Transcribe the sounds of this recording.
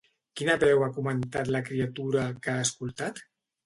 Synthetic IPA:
kinəβɛwakumənt̪at̪ləkɾiat̪uɾəkaəskulˠt̪at̪

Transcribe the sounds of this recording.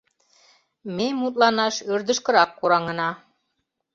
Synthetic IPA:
memut̪lˠɑnɑʃøɾd̪ə̆ʃkɤ̆ɾɑkːuɾɑŋɤ̆nɑ

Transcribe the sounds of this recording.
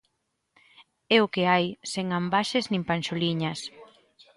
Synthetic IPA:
ɛʊkeajseŋambaʃeznĩmpanʃoliɲɐs

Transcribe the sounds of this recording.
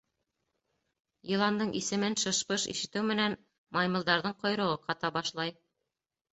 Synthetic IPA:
jɤ̆lˠɑnd̪ɤɴʔisɘ̆mɘnʃɤ̆ʃpɤʃḭʃɘ̆t̪ɘwmɘ̆næn | mɑjmɤ̆lˠd̪ɑɾðɤɴqŏjɾŏʁɤqɑt̪ɑbɑʃlˠɑj

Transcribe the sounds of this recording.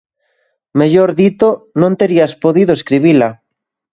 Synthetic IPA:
meʎoɾðit̪onõnt̪eɾiaspoðiðoeskɾiβila

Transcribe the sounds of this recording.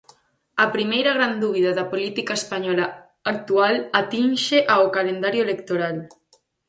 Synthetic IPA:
ɐpɾimejɾɐɣɾand̪uβ̞iðɐðɐpolit̪ikaespaɲɔla | ak̚t̪ualat̪inʃeʔaokalend̪aɾjoelekt̪oɾal

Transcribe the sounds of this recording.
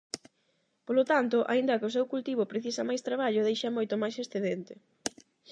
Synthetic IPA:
polot̪ant̪ʊʔa̰ind̪ɐkɪʊs̬ewkult̪iβ̞ʊpɾeθisɐmajst̪ɾaβaʎʊðejʃɐmojt̪ʊmajsesθeðent̪ɪ

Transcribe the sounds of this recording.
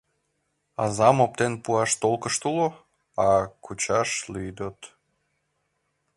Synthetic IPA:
ɑzɑmop̚t̪enpuɑʃt̪olkəʃt̪ulo | ɑkut͡ɕɑʃlyjd̪ət̪

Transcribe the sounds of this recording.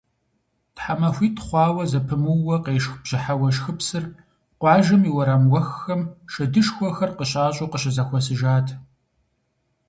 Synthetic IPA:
tħamɐxʷiːtʰχʷɑːwɐzɐpʰɨmɨwːɐqeːʂxbʑ̥ɪħawɐʃxɨpsɨr | qʷɑːʒɨmiwɐɾɐmwɐxːɐmʃɐdɨʂxʷɔxɐrqəɕʼaːɕʼoqəɕɐzɐxʷɔsɨʒaːtʰ

